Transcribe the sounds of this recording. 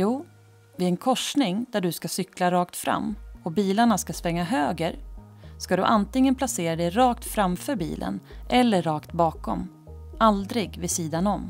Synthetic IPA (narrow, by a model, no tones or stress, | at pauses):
juː | vɪɛnkʰɔʂɳɪŋd̪æɖɵskasʏklaɾɑːkt̪fɾa̰mːɔbiːlaɳaskasvɛŋːaɦøːɡəɾskad̪ɵ̰ʔant̪ɪŋːənpʰlaseːɾad̪ɛjɾɑːk̚t̪fɾamfœɾbḭːlʔə̰nʔɛlːəɾːɑːkt̪bɑːkɔ̰m | ald̪ɾɪɡvɪsiːd̪anɔm